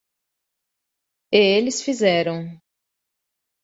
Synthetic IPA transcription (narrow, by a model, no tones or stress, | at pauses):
eelɪsfizɛɾɐ̃w̃